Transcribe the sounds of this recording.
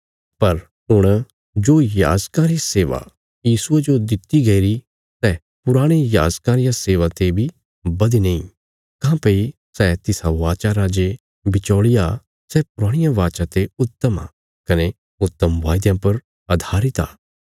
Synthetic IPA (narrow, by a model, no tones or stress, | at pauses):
pɐɾ | ɦʊɽ̃ | d͡ʒoːja̰ːd͡ʒkãːɾiseːʋa̰ | jiːsʊed͡ʒod̪ɪt̪iɡɐiɾi | sɛ | pʊɾaːɽ̃eja̰ːd͡ʒkãːɾɪjãseːʋat̪ebʱi | bɐd̪inɐ̃ĩ | kãpɐisɛt̪ɪsaʋaːt͡ʃaɾaːd͡ʒe | bɪt͡ʃɔːɭɪja | sɛpʊɾaːɽ̃ɪjãʋaːt͡ʃat̪eʊt̪ːəma̰ | kɐne | ʊt̪ːəmʋaːjd̪jãpɐɾ | ɐd̪ʱaːɾɪt̪a̰ː